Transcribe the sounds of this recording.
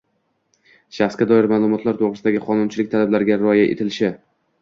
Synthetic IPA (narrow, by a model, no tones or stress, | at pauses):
ʃaχskʲad̪ɒɪɾmaːlˠʊmɒt̪laɾt̪ʰoʁɾɨsd̪aɡʲɪqʰɒnʊnt͡ʃʰɪlɪk̚ʲt̪ʰalablaɾɡʲaɾɒjaʔḛt̪ʰɪlɪʃɪ